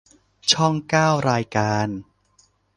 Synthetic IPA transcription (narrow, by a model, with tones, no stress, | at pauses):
t͡ɕʰɔ˥˩ŋkaː˥˩wɾaː˧jkaː˧n